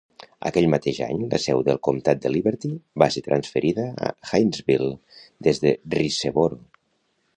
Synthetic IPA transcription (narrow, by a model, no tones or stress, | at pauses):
ə̰kɛʎmət̪eʒa̰ɲlə̰sɛwðəlˠkumt̪at̪̚d̪əliβəɾt̪ibaset̪ɾʔənsfəɾʔiðəə̰xajnzβilˠ | d̪ezðəriseβoɾo